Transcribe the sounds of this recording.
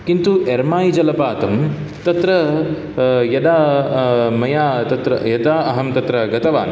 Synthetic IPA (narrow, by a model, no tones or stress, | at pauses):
kint̪uʔeɾmaːjid͡ʒɐlɐpaːt̪ɐm | t̪ɐt̪ɾɐ | jɐd̪aː | mɐjaːt̪ɐt̪ɾɐ̰jɐd̪aːɐɦɐmt̪ɐt̪ɾɐɡɐt̪ɐʋaːn